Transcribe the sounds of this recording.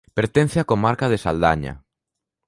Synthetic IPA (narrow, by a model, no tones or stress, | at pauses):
peɾt̪ẽn̟θeakomaɾkaðesa̰ld̪a̰ɲa̰